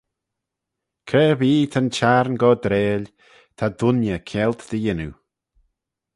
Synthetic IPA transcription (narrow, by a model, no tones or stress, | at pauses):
kʰɛviːt̪ʰənt͡ʃaɾnɡɔd̪ɾeːlʲ | t̪ʰad̪ʊnjəkʰɛlt̪d̪̥əjɪnu